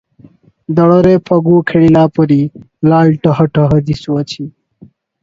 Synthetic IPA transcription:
d̪ʌɽʌɾepʰʌɡukʰeɽilapʌɾi | lalʈʌɦʌʈʌɦʌd͡ʒisuʌt͡sʰi

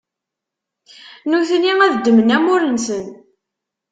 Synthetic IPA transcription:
nuθənːiŋæðəd̪ːəmənæmʊɾənsən

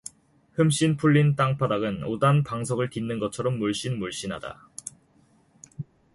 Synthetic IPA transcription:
hɯmɕ͈inpʰuɭːint͈aŋpʰadaɡɯnodanpaŋsʰʌɡɯɭtinːɯnɡʌt͡ɕʰʌɾʌmːuɭɕ͈inmuɭɕ͈inɦa̰da̰

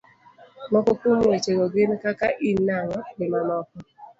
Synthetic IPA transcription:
mɔkokumwet͡ʃeɡɔɡɪnkakaʔinaŋɔbɪmamɔkɔ

